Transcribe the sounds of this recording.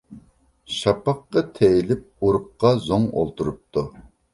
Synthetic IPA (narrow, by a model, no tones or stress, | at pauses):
ʃɑpɑqːɑt̪ʰejilɪp̚uɾup̚qɑzoŋo̰lˠt̪uɾup̚t̪ʰu